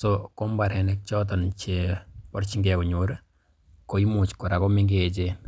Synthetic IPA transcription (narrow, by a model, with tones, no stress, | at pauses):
sɔko˦mba˨ɾɛ˨nɛk̚t͡ʃɔt̬ɔ˨nt͡ʃe˨pɔɾt͡ʃi˦ŋɡɛkɔ˨ɲoɾ | ko˨i˦mu˨t͡ʃkɔ˨ɾa˨kɔ˦mi˦ŋɡet͡ʃe